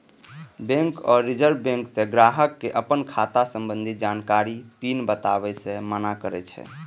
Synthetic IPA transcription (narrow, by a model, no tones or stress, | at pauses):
bẽŋkɔɾːid͡ʒəɾbbẽŋkt̪eɡɾaɦəkːeʔəpənkʰat̪asəmbənd̪ʱit̪d͡ʒankaɾipinbət̪aβɛsẽmənakəɾɛ̰t͡ʃʰɛ̰